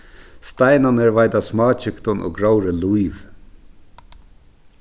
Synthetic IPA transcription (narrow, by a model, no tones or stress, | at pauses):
st̪æɪnɑneːɹʋæɪd̪ɑsmɑːçʏkt̪ɔnʔo̰ːɡɹaʊɾəlʊiːʋ